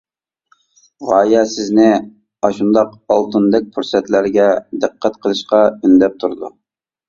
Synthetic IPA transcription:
ʁɑːjɛsɪznɪ | ɑʃund̪ɑqɑlˠt̪und̪ɛk̚ʲpʰuɾsɛt̪læɾɡʲɛd̪ɨqʰːæt̪qʰəlˠɨʃqɑynd̪ɛp̚t̪ʰuɾd̪ṵ

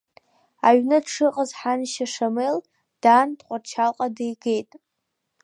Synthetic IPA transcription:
aɥnɨdʈ͡ʂʰɨqʼəzħanʃaʂamel | d̥andqʷʼart͡ʃʰalqʼadejɡe̞jtʼ

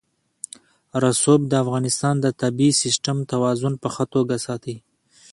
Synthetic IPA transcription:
ɾasob̚d̪əafɣɑnɪst̪ɑnd̪ət̪abisɪsʈamt̪awɑzʊnpəxət̪oɡasɑt̪i

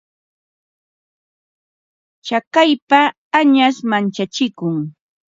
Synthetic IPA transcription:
t͡ʃakajpaː | ɲasmant͡ʃat͡ʃɪkʊŋ

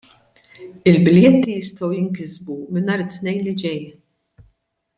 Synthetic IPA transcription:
ɪlbɪljɛt̪ːijɪst̪ɔwjɪŋkɪzbumɪnɐːɾɪt̪ːnɛjnlɪd͡ʒɛj

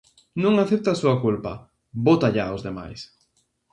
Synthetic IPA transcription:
nũŋaθep̚t̪asuakulpa̰ | bot̪aʎaozðema̰js

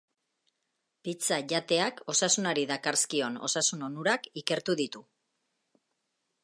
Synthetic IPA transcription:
pit͡saʝat̪e̞ako̞sasunaɾiðakaɾskio̞no̞̰sasuno̞nuɾakike̞ɾt̪uðit̪u

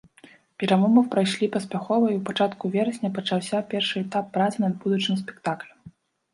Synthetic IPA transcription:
pʲɛɾamɔmɐwpɾajʂlʲipɐsʲpʲaxɔvɐiwpat͡ʂat̪kuvʲɛɾɐsʲnʲɐpɐt͡ʂawsʲapʲɛrʂɨɛt̪apːɾat̪sɨnɐd̪̚bud̪ut͡ʂnɨmspʲɛ̥kt̪aklʲɐ

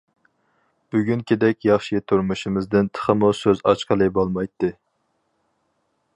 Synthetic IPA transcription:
b̥yɡʲynkʲʰid̪ɛkʲjɑχʃijet̪ʰuɾmuʃimɨzd̪ɪnt̪ʰə̥χəmusøzɑ̰t͡ʃqʰəlˠɨbolˠmɑjt̪ːɨ

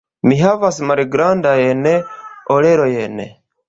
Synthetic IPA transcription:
miɦavasimaɾiɡɾandajeneoɾeɾojenḛ

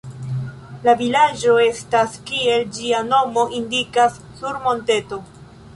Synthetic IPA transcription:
lavilad͡ʒo̞e̞staskie̞ld͡ʒiano̞mo̞ʔindikasːuɾmo̞nte̞to̞

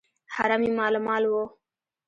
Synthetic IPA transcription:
ha̰ɾamiːmaːlmaːlwoː

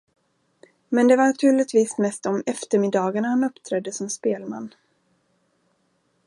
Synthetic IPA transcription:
mɛnd̪ɛvaɳat̪ʰʉ̟ːɭɪt̪viːsmɛst̪ɔmɛft̪əɾmɪd̪ɑːɡaɳahanɵpːt̪ʰɾɛd̪ːəsɔmspeːlma̰nː

